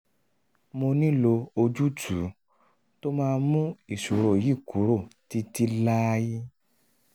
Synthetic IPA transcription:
mo˧nĩ˦lo˧o˧d͡ʒu˦tʰu˨˦ | to˦mãː˦˧mũ˦i˦˨ʃu˨ɾo˨ji˦˨ku˨˦ɾo˦˨ti˧ti˧la˦ji˦

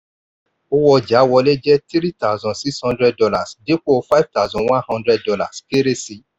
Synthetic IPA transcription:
o˧wɔ˧d͡ʒa˨˦wɔ˧le˦d͡ʒɛ˦ti˦ɾi˦ta˦˨zɔ̃˨si˦shɔ̃˧ndɾɛ˧d̚dɔ˧la˨sde˨˦k͡po˦˨fa˦i˦vta˦˨zɔ̃˧wã˦nhɔ̃˦ndɾɛ˧ddɔ˧la̰˨ske˦ɾe˦si˧

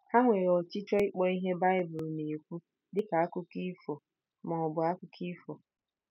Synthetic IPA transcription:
a˦ŋʷe˨ɾɔ˨t͡ʃɪ˦t͡ʃɔ˦ɪ˦k͡pɔ˦i˦ɦe˦ba˦ɪ˦bʊ˨lne˨kʷu˦ | dɪ˦ka˨a˦kʊ˦ki˦fo˨ | mɔ˨ɔ˨bʊ˨a˦kʊ˦kʰi˦fo˨

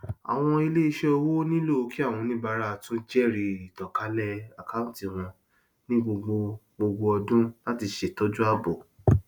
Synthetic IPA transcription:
a̰˨w̃ɔ̃˧i˧le˦i˧ʃe˦ɔ˧wo˦nĩ˦lo˦˨o˧ki˦a˦˨w̃ɔ̃˧nĩ˦ba˧ɾa˧˦˨tũ˦d͡ʒɛ˦˨ɾi˧i˨tɔ˨ka˨˦lɛ˦a˨ka˦ũ˦ti˦˨w̃ɔ̃˧ | nĩ˦ɡ͡bo˧ɡ͡bo˧ | ɡ͡bo˧ɡ͡bo˧ɔ˧dũ˦la˦ti˧ʃe˨tɔ˦d͡ʒu˦a˦˨bo˨

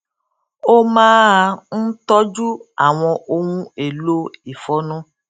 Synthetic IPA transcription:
o˦mãː˦˧n̩˦tɔ˦d͡ʒu˦a˦˨w̃ɔ̃˧ʔo˧wũ˦e˨lo˦i˨fɔ˨˦nũ˦

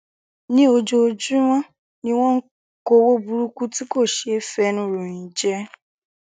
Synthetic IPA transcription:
nĩ˦o˧d͡ʒo˧d͡ʒu˦w̃ɔ̃˦ | nĩ˦w̃ɔ̃˦ŋ̩˦ | ko˧˦wo˦bu˧ɾu˦ku˦ti˦ko˦˨ʃe˨˦fɛ˧˦nũ˦ɾũ˨ĩ˨d͡ʒɛ˦

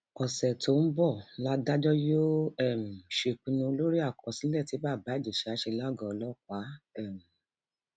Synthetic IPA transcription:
ɔ˨sɛ˨tʰo˨˦n̩˦bɔ˦˨la˦da˦d͡ʒɔ˦jo˦ɛ˦˨m̩˨ʃe˧˨k͡pĩ˨˧nũ˧lo˦ɾi˦a˦˨kʰɔ˨sĩ˨˦lɛ˦˨ti˨˦ba˦˨ba˨˦˨d͡ʒe˨ʃe˧˦a˧˦ʃe˧la˦˨ɡɔ̃˨ɔ˧lɔ˦˨k̚ʷa˨˦ɛ˦˨m̩˨

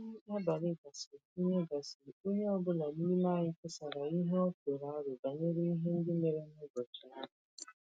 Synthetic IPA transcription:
a˦ba˨lɪ˦ɡa˨sɪ˨o˦ɲe˦ɡa˨sɪ˨o˦ɲe˦ɔ˦bʊ˦la˨ni˦li˦ma˦˨ɲɪ˦kʊ˦sa˨ɾa˨i˦ɦe˦ɔ˦ko˨ɾa˨a˦ɾʊ˨ba˨ɲe˦ɾi˦i˦ɦe˦n̩˦dɪ˦me˨ɾe˦n˦ʊ˦bo˨t͡ʃʊ˨na˦ɦʊ˨

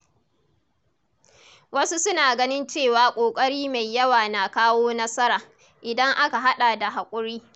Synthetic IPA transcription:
wɐ˦su˦sʊ˦naː˨ɡɐ˦nɪ˦nt͡ʃeː˦˨waː˨kʷʼoː˨kʼɐ˦ɽiː˦ma˨jːɐ˦waː˨na˨kaː˦woː˦nɐ˦sɐ˦ɾaː˨ | ʔɪ˨dɐ˦ŋʔa˦ka˨ɦa˦ɗa˨da˨ɦa˨kʷʼʊ˦ɽiː˦

